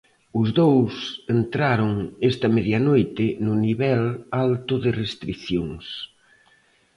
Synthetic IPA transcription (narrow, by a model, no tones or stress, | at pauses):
ʊzðowsent̪ɾaɾʊŋest̪ɐmeðjanojt̪ɪnʊniβɛlalt̪ʊðɪrest̪ɾiθjoŋs